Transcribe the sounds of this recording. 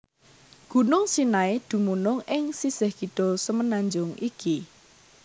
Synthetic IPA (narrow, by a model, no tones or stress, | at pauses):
ɡ̥ṳnʊŋsinaed̪̥ṳmunʊŋɪŋsisɪhɡ̥it̪ɔsəmənaɲd͡ʒʊŋiki